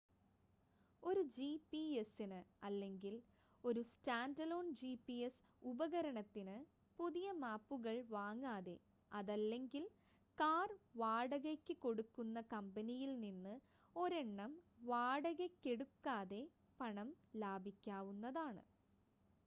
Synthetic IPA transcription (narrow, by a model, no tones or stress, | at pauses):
o̞ɾud͡ʑipiesinɨɐlːe̞ŋɡil | o̞ɾustaːndɐlo̞ːnd͡ʑipːies | ubɐɣɐɾɐɳɐt̪ːinɨ | puðijɐmaːpːuɣɐɭʋaːŋːaːðe̞ | ɐðɐlːe̞ŋɡil | kaːrʋaːɽɐɣɐkʲːɨko̞ɽukːunːɐkɐmbɐnijilninːɨ | o̞ɾeɳːɐmʋaːɽɐɣɐkʲːe̞ɽukːaːðe̞ | pɐɳɐm | laːbʱikʲːaːʋunːɐðaːɳɨ̰